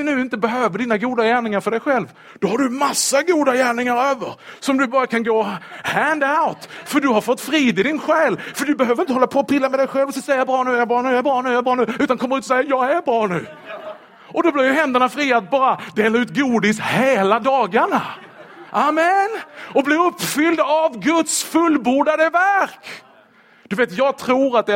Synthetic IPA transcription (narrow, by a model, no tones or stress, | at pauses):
nʉ̟ːɪnt̪əbɛɦøːvəɖiːnaɡuːd̪ajæːɳɪŋaɾfœɖɛjɧɛlv | d̪̥ɔhaɖɵmasːaɡuːd̪ajæːɳɪŋaɾøːvəɾsɔmd̪ɵbɑːɾakʰanɡoːhænd̪aʊt̪fœɖɵɦaɾfɔt̪ːfɾiːd̪ɪd̪ɪnɧɛːlfœɖɵbɛɦøːvəɾɪnt̪əhɔlːapʰɔːpʰɪlːamɛd̪ɛjɧɛlvɔsɛsɛjːabɾɑːnʉ̟ːjjabɑːɾnʉːjaɛbɾɑːnʉːɑɛbɾɑːnʉ̟ːʉ̟ːt̪ankʰɔməɾʉːt̪ɔsɛjːajɑːɡæɾbɾɑːnʉ̟ː | ʔɔd̪ɔblɪɾjɵɦɛnd̪əɳafɾiːat̪̚bɑːɾad̪eːlaɾʉ̟ːt̪ɡuːd̪ɪsheːlad̪ɑːɡaɳa | ʔamɛnɔblɪɾɵpːfʏld̪avɡɵt̪sfɵlːbuːɖad̪əvæɾk | d̪̥ɵveːt̪jɑːɡ̚t̪ʰɾuːɾat̪̚d̪ɛ